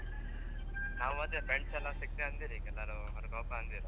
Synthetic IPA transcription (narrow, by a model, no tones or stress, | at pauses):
naːʋumɐd̪jɐpɾeɳɖsɛlːasik̚t̪eɐnd̪iːɾikɛlːaɾu | ɐɾukɔːpaɐnd̪iɾi